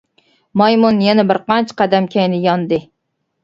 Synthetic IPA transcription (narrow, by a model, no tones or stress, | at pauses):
mɑjmunjɛnɛbɪɾqɑnt͡ʃʰqæd̪ɛmkʲʰɛjnɪjɑnd̪ɨ